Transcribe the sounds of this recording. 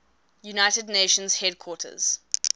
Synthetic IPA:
junaɪtədneʃə̃nz̥hɛd̚kʰw̥ɔˑtʰə̰z̥

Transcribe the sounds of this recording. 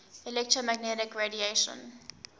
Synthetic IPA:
ilɛk̚tɹomæɡ̚nɛɾɪkɹedieʃə̰̃n

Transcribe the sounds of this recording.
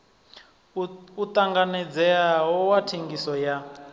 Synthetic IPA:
ut̪ʼaŋɡanɛd͡zɛaɦɔwatʰeŋɡisɔja

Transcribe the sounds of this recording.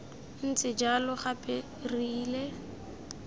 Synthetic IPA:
n̩t͡sʼɪd͡ʒalʊχapʼe | riːle

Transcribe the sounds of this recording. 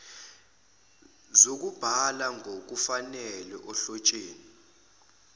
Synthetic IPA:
zok̬ub̥ʱalaŋʱok̬ufanɛlɛʔɔɬɔt͡ʃʼeːni

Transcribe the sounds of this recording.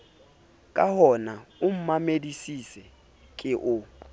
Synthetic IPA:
kʼahɔnaʊm̩mamedisisɛ | kʼɪʔʊ

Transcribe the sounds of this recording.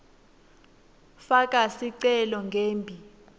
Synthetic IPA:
fak̬ʼasiǀɛlɔŋɡʱeːmbʱi

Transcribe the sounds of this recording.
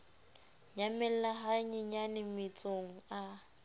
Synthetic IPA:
ɲamɛl̩laɦaɲɪɲanɪmɪt͡sʼoŋ̩a

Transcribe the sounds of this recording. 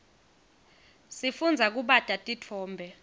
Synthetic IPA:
sifund͡zʱak̬uɓad̥ʱʼatʼitʰɔːmbʱɛ

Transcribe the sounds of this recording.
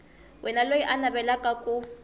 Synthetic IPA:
wʔɛnalojiʔanabɛlakʼakʼu

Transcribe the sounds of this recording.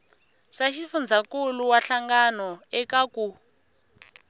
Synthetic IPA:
ʂaʃifund͡zʱakuluwaɬaŋɡanɔɛkaku

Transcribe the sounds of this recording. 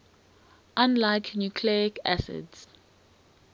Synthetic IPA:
ʔãnlaɪknjukʰliɪkʰæ̰sɪ̰dz̥

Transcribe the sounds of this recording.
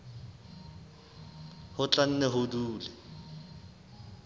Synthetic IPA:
hʊt͡ɬʼan̩nɛɦʊduːlɛ

